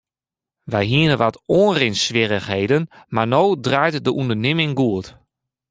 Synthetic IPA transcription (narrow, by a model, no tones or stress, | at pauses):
ʋɛjɦiənəʋatoːnrɪnsʋɪɾəxhejdənmarnoːdrajtdəʔundərnɪmɪŋɡuət